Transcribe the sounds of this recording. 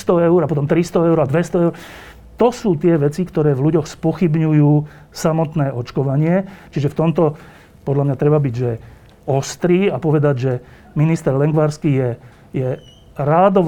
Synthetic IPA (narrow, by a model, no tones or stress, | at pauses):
st̪ɔɛʊɾapɔt̪ɔmt̪ɾist̪ɔɛʊɾad̪ʋɛst̪ɔɛʊɾ | t̪ɔsuːt̪ɪɛʋɛt͡sikt̪ɔɾɛːvluɟɔxspɔxibɲujuː | samɔt̪nɛːʔɔt͡ʃkɔʋaɲɪɛt͡ʃiʒɛft̪ɔmt̪ɔ | pɔd̪ʎamɲat̪ɾɛbabiɟʒɛ | ɔst̪ɾiːapɔʋɛd̪aɟʒɛ | minist̪ɛɾlɛŋɡʋaɾskiːjɛ | jɛ | ɾaːd̪ɔ